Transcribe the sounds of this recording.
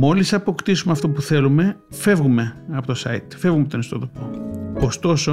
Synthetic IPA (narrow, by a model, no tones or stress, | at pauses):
mo̞lisɐpo̞kt̪isumeɐft̪opuθe̞lume̞ | fe̞vɣume̞ɐpo̞t̪osɐ̰it̪fe̞vɣumept̪onist̪o̞t̪opokost̪o̞so